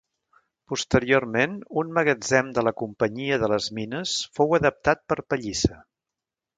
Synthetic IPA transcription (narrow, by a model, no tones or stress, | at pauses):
pust̪əɾiormenunməɣəd͡zɛmd̪ələkumpəɲiəðələzminəsfowəðəp̚t̪at̪̚pəɾpəʎisə